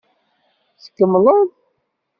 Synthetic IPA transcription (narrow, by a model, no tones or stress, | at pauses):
sə̥kːəmləðˤ